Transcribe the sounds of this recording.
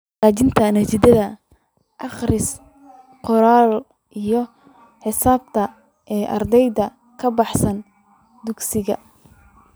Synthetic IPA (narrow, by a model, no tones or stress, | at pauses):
aːt͡ʃɪnt̪ʰɐnɐt͡ʃɪd̪ɐðɐ | ʔɑχrɪs | qɔɾaːl | ʔijɞ | ħɪsaːb̚t̪ʰɐ | ʔɛːʔɑ̰rd̪ɛjðɐ | kʰɐbɑħsɐn | d̪ʊɡsɪɣɐ̰